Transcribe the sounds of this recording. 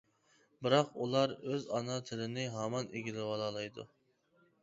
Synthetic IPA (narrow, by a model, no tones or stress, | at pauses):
bɪɾɑqṵlˠɑɾøzɑnɑt̪ʰɪlɪnɪɦɑmɑnʔeɡʲilɪwɑlˠɑlˠɑjd̪ṵ